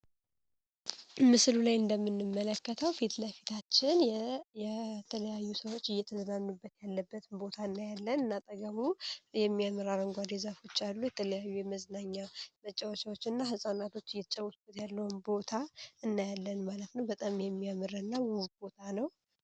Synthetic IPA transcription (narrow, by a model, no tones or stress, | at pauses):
mɨslulajɨnd̪əmːɨnːɨmːələkːət̪ʰəwfit̪ləfi̥t̪ʰat͡ʃːɪnjɛt̪ʰələjajːusəwot͡ʃːɨjːɛt̪ʰəzənanːubːət̪jalːəbːət̪ʰɨnbo̞t̪ʰaɨnːajalːənɨnːat̪ʼəɡəmujɛmːiamɨɾaɾəŋɡʷad̪ezafo̞t͡ʃːalːujɛt̪ʰələjajːujɛməznaɲːamət͡ʃʼːawot͡ʃawot͡ʃːɨnːahɨsʼanat̪ʰo̞t͡ʃːɨjːɛt̪ʰət͡ʃʼːəwusb̥ət̪jalːəwunbo̞t̪ʰaɨnːajalːənmalət̪nəwbət̪ʼamjɛmːiamɨɾəɨnːawuhbo̞t̪ʰanəw